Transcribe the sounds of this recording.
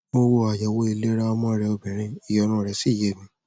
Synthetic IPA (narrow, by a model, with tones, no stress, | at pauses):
mo˦wo˧a˨ja˨wo˧˦i˧le˦ɾa˦˧mɔ̃˦ɾɛ˧o˧bĩ˨ɾ̃ĩ˧˦i˨jɔ˨˧˦nũ˧˨ɾɛ˧˦si˦˨je˦˨mĩ˧